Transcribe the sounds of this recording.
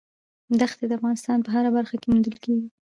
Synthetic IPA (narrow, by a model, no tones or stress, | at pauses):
d̪axt̪ed̪əafɣɑnɪst̪ɑnpəɦaɾabaɾxakemund̪əlkeɡi